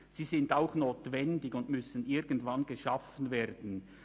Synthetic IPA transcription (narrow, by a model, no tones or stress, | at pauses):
z̥iːzɪndaʊxnoːtvɛndɪçʊndmʏsənɪɾɡən̩tvanɡəʃafən̩veːɾdn̩